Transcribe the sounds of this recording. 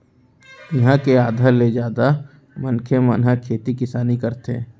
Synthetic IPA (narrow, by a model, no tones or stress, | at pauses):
ɦãkeaːd̪ʱaled͡ʒjaːd̪a | mənkʰemənɦakʰːeːt̪ikɪsaːnikəɾt̪ḛ̃ː